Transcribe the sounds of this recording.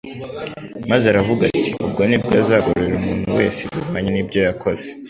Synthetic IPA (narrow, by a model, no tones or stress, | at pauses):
mazaɾavuɡa̰ti̥ʔub̚ɡonib̚ɡazaːɡoɾoɾeɾumuːn̥huwe̞̰ːsebuβaːɲenibɟo̞jakʰo̞z̥e̥